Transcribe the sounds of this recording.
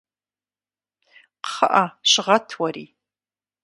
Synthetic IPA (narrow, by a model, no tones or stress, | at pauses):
qχə̰ʔaʃʷʁatʰwaɾi